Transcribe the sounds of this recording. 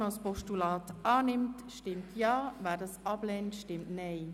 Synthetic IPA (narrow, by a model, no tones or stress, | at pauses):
ɑspɔʃtulɑːtɑːnɪmtʃtɪmtʰjɑːvaːdɑsɑblɛntʃtɪmtneː